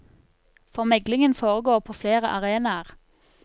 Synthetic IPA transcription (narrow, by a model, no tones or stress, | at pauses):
fɔʁmɛɡlɪŋənfoːʁəɡoːʁpʰoːfleːʁə̰ʔɑʁeːnɑəʁ